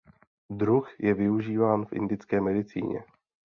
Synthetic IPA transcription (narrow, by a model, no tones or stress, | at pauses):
dɾuxjɛvɪuʒiːvaːnfʔɪ̰ndɪt͡skɛːmɛdɪt͡sḭːɲɛ̰